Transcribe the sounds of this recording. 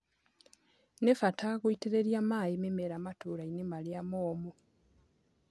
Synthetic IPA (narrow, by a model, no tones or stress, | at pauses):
nefatakuitiɾeɾjamaːjimemeɾamatuːɾainimaljamoːmu